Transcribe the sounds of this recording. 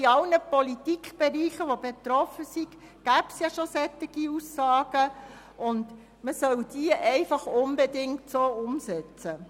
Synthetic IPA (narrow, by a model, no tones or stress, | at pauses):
iɑlnəpɔlitikχb̥eɾiːχəʋobetɾɔfəsiɡ | ɡ̥æbsjɑʃosɛtɪɡ̥iusːɑːɡ̥ə | ʔʊnd | məsœld̥iəʔɛɪfɑχʊmbɛdɪŋtsoːʊmsɛt͡sə